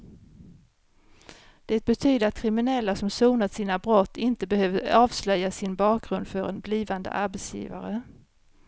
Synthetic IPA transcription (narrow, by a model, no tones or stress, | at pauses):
d̪̥ɛːt̪̚bɛt̪ʰyːd̪əɾat̪̚kʰɾɪmɪnɛlːasɔmsuːnat̪siːnabɾɔt̪ːɪnt̪əbɛhøːvd̪əɾɑːvslœjasɪnbɑːk̚ɡɾɵnd̪fœɾɛ̰nbliːvand̪ə̰ʔaɾbɛt̪sjḭːva̰ɾə